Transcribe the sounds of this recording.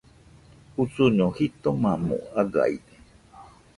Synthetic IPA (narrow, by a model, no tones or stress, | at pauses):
usuɲõhit̪omãmṵ̃aɡa̰ine